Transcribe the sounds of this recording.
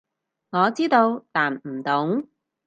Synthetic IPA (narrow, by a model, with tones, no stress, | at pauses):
ŋɔː˨˧t͡siː˥t̪o˧wt̪aː˨˩n̩˨˩t̪ʊ˨˥ŋ